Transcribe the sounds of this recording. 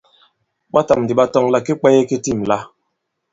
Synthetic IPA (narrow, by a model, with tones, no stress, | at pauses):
ɓa˦ta˨m˨di˨ɓa˦tɔ˦ŋla˦ki˦k͡pɛ˦je˦ki˦ti˦˨m˨la˦